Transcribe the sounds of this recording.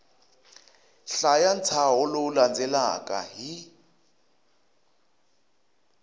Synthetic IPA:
ɬajan̩t͡sʰaɦʊloland͡zʱɛla̰kʼa̰ɦi

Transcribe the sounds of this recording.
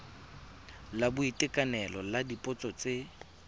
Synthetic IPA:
labʊitʼɪkʼanɛlɔladipʼɔt͡sʼɔt͡sʼe

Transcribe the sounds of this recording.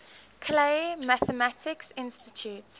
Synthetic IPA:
kʰlemaθəmatɪksɪ̃nstitʰjut

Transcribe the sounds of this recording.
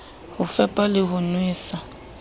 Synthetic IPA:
hʊfɛpʼalɪhʊnwiːsa

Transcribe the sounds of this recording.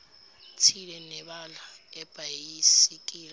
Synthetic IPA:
tʰilɛnɛɓalaɛb̥ʱajisik̬ʼiːla

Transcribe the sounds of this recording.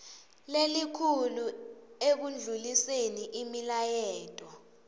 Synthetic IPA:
lelikʰuluek̬und͡ɮʱuliseniʔimilajɛːtʼɔ

